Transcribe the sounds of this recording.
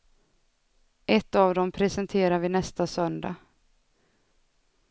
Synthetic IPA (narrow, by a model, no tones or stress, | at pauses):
ʔɛt̪ːavd̪ɔmpʰɾɛsɛnt̪ʰeːɾaɾvɪnɛst̪asœnd̪a̰